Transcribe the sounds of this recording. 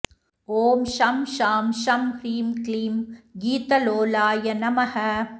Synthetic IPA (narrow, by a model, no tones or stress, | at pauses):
oːmʃɐmʃaːmʃɐmhɾiːmkliːmɡiːt̪ɐloːlaːjɐnɐmɐhɐ